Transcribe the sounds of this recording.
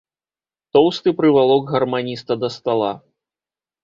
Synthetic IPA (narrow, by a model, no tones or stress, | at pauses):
t̪ɔwst̪ɨpɾɨvalˠɔɡɣɐrmanʲist̪ɐd̪ɐst̪alˠa